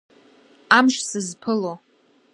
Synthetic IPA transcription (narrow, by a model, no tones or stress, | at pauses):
amʃsɨzpʰɨlo